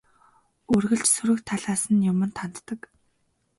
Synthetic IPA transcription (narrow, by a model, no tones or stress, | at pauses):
ɵrɣɘ̆ɮt͡ɕsɵɾɘ̆kt̪ʰːaɮaːsə̆njʊmɘ̆nt̪ʰant̪ːə̆k